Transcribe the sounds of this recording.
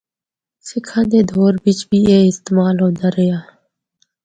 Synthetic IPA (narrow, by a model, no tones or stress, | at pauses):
sikʰãnd̪eːd̪ʱoːɾbit͡ʃbiːeːɪst̪emaːlɦoːd̪aɾejaː